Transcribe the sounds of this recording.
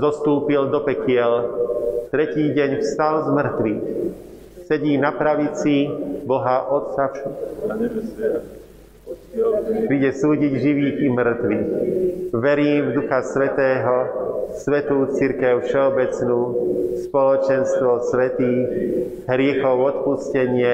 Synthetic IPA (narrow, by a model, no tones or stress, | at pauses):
zɔst̪uːpild̪ɔpɛkɪɛl | t̪ɾɛciːɟɛɲfst̪alzmr̩t̪ʋix | sɛɟiːnapɾaʋit͡sibɔɦaʔɔt̪safʃu | pɾiːɟɛsuːɟiɟʒiʋiːkimr̩t̪ʋi | ʋɛɾiːmvd̪uxasʋɛt̪ɛːɦɔsʋɛt̪uːt͡siɾkɛʊfʃɛɔbɛt͡snuːspɔlɔt͡ʃɛnst̪ʋɔsʋɛt̪iːx | ɦɾɪɛxɔʊɔt̪puscɛɲɪɛ